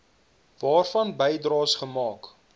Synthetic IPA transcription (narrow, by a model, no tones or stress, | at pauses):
vɑːrfɐnbəjdrɑːsχəmɑːk